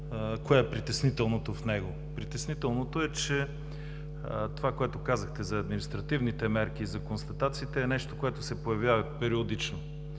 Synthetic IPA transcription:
koɛɛpɾit̪ɛsnit̪ɛlˠnot̪ofnɛɡo | pɾit̪ɛsnit̪ɛlˠnot̪oɛt͡ʃɛ | t̪ovakoɛt̪okazɐxt̪ɛzɐːd̪minist̪ɾɐt̪ivnit̪ɛmɛɾk̟iːzɐkonst̪ɐt̪at̪siːt̪ɛːnɛʃt̪okoɛt̪ʊsɛpojɐvʲjavɐpɛɾiod̪it͡ʃno

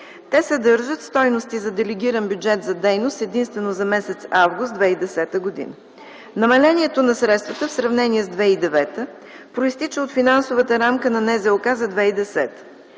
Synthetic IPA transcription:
t̪ɛsɐd̪ɤɾʒət̪st̪ɔjnost̪izɐd̪ɛlɛɡʲiɾənbjud͡ʒɛt̪zɐd̪ɛjnost̪ɛd̪inst̪vɛnozɐmɛsɛt̪savɡʊst̪d̪vɛid̪ɛsɛt̪əɡod̪ḭnə | nɐmɐlɛniɛt̪onɐsɾɛt̪st̪vət̪əfsɾɐvnɛniɛzd̪vɛid̪ɛvɛt̪ə | pɾoist̪it͡ʃəot̪finansovət̪əɾamkənɐnɛzɛokazɐd̪vɛid̪ɛsɛt̪ə̥

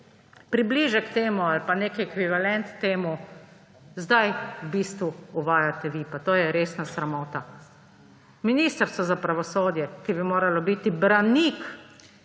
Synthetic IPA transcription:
pɾibliːʒɛkt̪eːmualpaneːkiɛkʋiʋalɛnt̪ːeːmu | zd̪ajwbist̪ʋuuʋaːjat̪ɛʋipat̪oːjɛɾeːsnasɾamoːt̪a | miniːst̪əɾst̪ɔzapɾaʋɔsoːd̪jɛkibimoːɾalɔbit̪ibɾanik

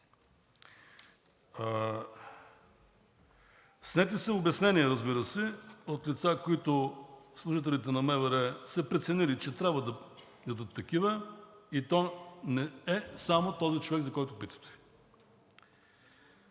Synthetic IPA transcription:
snɛt̪̬isɛobɛsnɛniɛɾɐzbiɾəsɛot̪lit̪sakoit̪ʊslˠuʒit̪ɛlit̪̬ɛnɐmɛvɛɾɛsɛpɾɛt̪sɛnilit͡ʃɛt̪ɾʲabvəd̪ɐ | d̪ɐd̪ət̪ːɐkivəit̪ɔnɛɛsamot̪ɔzit͡ʃovɛɡzɐkɔjt̪ʊpit̪ə̥t̪ɛ̥

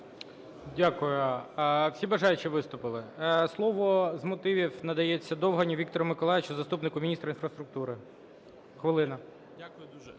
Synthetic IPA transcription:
dʲakʊjʊwsʲibɐʒɑjʊt͡ʃiʋɪst̪ʊpɪlˠɪslˠɔʋɔzmɔt̪ɪʋʲiwnɐd̪ɐjet͡sʲːɐd̪ɔwɦɐnʲiʋʲik̚t̪ɔɾɐmɪkɔlˠajɪt͡ʃʊzɐst̪upnɪkʊmʲinʲist̪ɾɐinfɾɐst̪ɾʊk̚t̪uɾɪ | xʋɪlˠɪnɐ

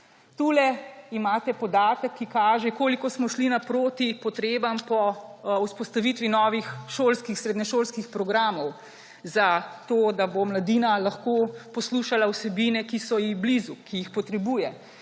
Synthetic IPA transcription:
t̪ulɛimaːt̪ɛpɔd̪aːt̪əkʰːikaːʒɛkoːlikɔsmɔʃlinapɾoːt̪ipɔt̪ɾeːbampɔuspɔst̪aʋit̪ʋinɔːʋixʃoːlskixsɾed̪ɲɛʃoːlskixpɾɔɡɾaːmɔw | zat̪oːd̪abomlad̪iːnalaxkoːpɔsluːʃalawsɛbiːnɛkisɔjiɣblizukʰijixpɔt̪ɾɛbuːjɛ

